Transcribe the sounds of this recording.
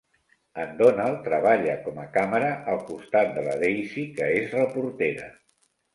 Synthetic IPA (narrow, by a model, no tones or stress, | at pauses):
ənd̪onalˠt̪ɾəβaʎəkɔməkaməɾəʔəlˠkust̪at̪̚d̪ələ̰ðejsikəezrəpuɾt̪eɾə̰